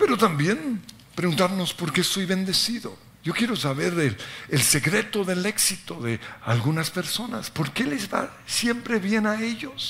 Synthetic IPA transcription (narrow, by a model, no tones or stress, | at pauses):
pe̞ɾo̞t̪ambje̞n | pɾeɣunt̪aɾno̞spo̞ɾkeso̞jβe̞nd̪e̞siðo̞̰ | ʝo̞kje̞ɾo̞saβe̞ɾeelse̞kɾe̞t̪o̞ðe̞le̞ksit̪o̞ðe̞alɣunaspe̞ɾso̞na̰spo̞ɾke̞lezβa̰ | sjempɾe̞βje̞nae̞ʝo̞s